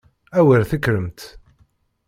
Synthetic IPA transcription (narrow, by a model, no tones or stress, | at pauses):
æwəɾθəkːɾəmt̪